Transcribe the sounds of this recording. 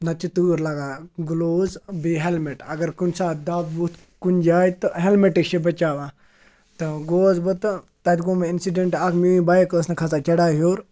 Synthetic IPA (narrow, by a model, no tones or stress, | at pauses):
nɐt͡ʃit̪uːɾlaɡaːɡuloːzbiɦelmeʈɐɡɐɾkunsaːd̪aːbbut̪ | kund͡ʒaːjt̪ɨɦelmeʈikʃibɐt͡ʃaːʋa | t̪ɨɡoːzbɐt̪ | t̪ɐt̪ɡomeinsiɖeɳʈaːkʰmiːĩbaːekəːsnɐkʰɐsaːt͡ʃɐɽaːɦjoːɾ